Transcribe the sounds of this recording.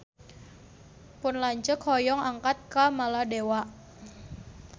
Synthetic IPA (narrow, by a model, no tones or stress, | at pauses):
pʊnlaɲt͡ʃəkhɔjɔŋaŋkat̪̚kamaladewaʔ